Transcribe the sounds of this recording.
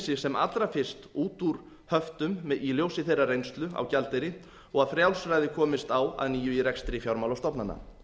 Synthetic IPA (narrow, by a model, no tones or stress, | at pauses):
sɪsɛma̰t̪lɾafɪr̥st̪uːt̪uɾ̥ | hœft̪ʏmːiljowsɪθejrarejnst̪lʏa̰wcalt̪ejɾɪ | ɔɣaðfɾjawsɾajðɪkʰɔːmɪst̪awa̰ðniːjʏiɾɛkst̪ɾɪfjawɾmawlɔst̪ɔpnanːa̰